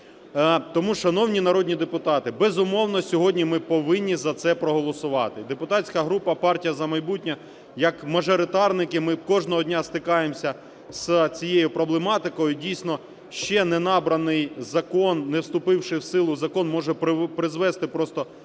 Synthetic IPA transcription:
t̪ɔmuʃɐnɔwnʲinɐɾɔdʲnʲid̪epʊt̪ɑt̪ɪbɛzʊmɔwnɔsʲɔɦɔdʲnʲimɪpɔʋɪnʲːizɐt̪sɛpɾɔɦɔlˠɔsʊʋɑt̪ɪd̪epʊt̪ɑtʲsʲkɐɦɾupɐpɑrtʲijɐzɐmɐjbutʲnʲɐ | jɐkmɐʒɔɾɪt̪ɑrnɪkɪmɪkɔʒnɔɦɔdʲnʲast̪ɪkɑjemsʲɐ | st͡sʲijejʊpɾɔblˠemɑt̪ɪkɔjʊdʲijsʲnɔ | ʃt͡ʃɛnɛnɑbɾɐnɪjzɐkɔnnːɛwst̪ʊpɪwʃɪwsɪlˠʊzɐkɔnmɔʒɛppɾɪzʋɛst̪ɪpɾɔst̪ɔ

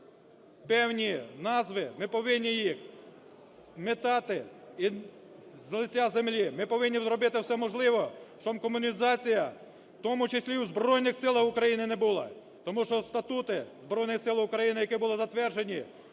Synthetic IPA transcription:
pɛwnʲinɑzʋɪmɪpɔʋɪnʲːijix | met̪ɑt̪ɪi | zlˠɪt͡sʲazemlʲimɪpɔʋɪnʲːizɾɔbɪt̪ɪwsɛmɔʒlˠɪʋɔʃt͡ʃɔmkɔmʊnʲizɑt͡sʲijɐ | t̪ɔmʊt͡ʃesʲlʲiuzbrɔjnɪxsɪlˠɐxʊkɾɐjinɪnɛbulˠɑ̰ | t̪ɔmuʃt͡ʃɔst̪ɐt̪ut̪ɪzbɾɔjnɪxsɪlˠʊkɾɐjinɪjɐkɪbʊlˠɪzɐt̪ʋɛrd͡ʒenʲi

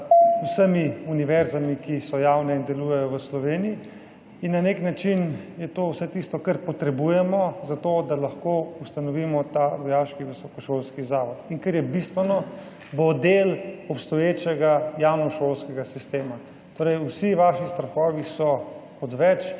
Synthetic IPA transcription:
uwsəmiuniʋɛɾzamikisɔjawnɛind̪ɛluːjɛjɔʋəslɔʋeːniji | inːaneknat͡ʃinjɛt̪oːwsɛt̪ist̪ɔkəɾpɔt̪ɾɛbujɛmɔzat̪oːd̪alaxkoːust̪anɔʋiːmɔt̪aʋɔjaːʃkiʋisɔkɔʃoːlskizaːʋɔt̪iŋkəɾjɛbist̪ʋɛnɔ | bod̪elɔpst̪ɔjeːt͡ʃɛɡajawnɔʃoːlskɛɡasist̪eːma | t̪oːɾɛjusiʋaʃist̪ɾaxɔːʋisɔkɔt̪ʋɛt͡ʃ

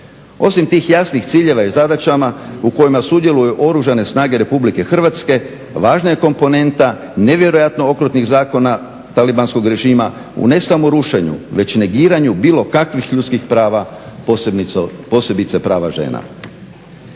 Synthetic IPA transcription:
o̞simt̪iːxjasnixt̪siːʎe̞ʋaizad̪at͡ʃamauko̞jimasud̪jelujuʔo̞ɾuʒane̞snaːɡe̞ɾe̞publike̞xr̩ʋat̪ske̞ | ʋaːʒnajeko̞mpo̞ne̞nt̪a | ne̞ʋje̞ɾo̞jat̪noo̞kɾut̪niɣzaːko̞na | t̪alibansko̞ɡɾe̞ʒiːma | ṵne̞samoɾuʃe̞ɲṵʋe̞t͡ɕne̞ɡiːɾaɲubiːlˠo̞kakʋixʎut̪kixpɾaːʋa | po̞se̞bit̪sepɾaːʋaʒe̞̰na̰

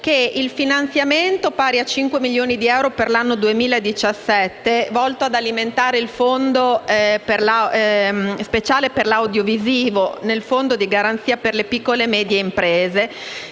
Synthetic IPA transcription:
keilfinant̪sjament̪opaːɾiat͡ʃiŋkwemiljoːnid̪iɛwɾoperlanːod̪uemiːlaed̪ːit͡ʃasːɛt̪ːevɔlt̪oad̪aliment̪aːɾeilfond̪operla | spet͡ʃaːleperlawd̪joviziːvonelfond̪od̪iɡaɾant̪siːaperlepikːolemɛːd̪jeimpɾeːze

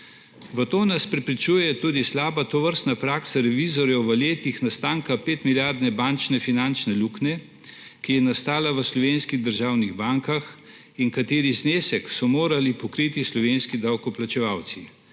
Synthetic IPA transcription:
ʋət̪oːnaspɾɛpɾit͡ʃuːjɛt̪uːd̪islaːbat̪ɔʋəɾst̪napɾaːksaɾɛʋizɔɾjɛwʋəleːt̪ixnast̪aːŋkapeːt̪miljaɾd̪nɛbant͡ʃnɛfinant͡ʃnɛluːknɛ | kijɛnast̪aːlaʋəslɔʋeːnskiɣd̪əɾʒaːwniɣbaŋkax | iŋkat̪eːɾizneːsɛksɔmoːɾalipɔkɾit̪islɔʋeːnskid̪awkɔplat͡ʃɛʋawt̪si

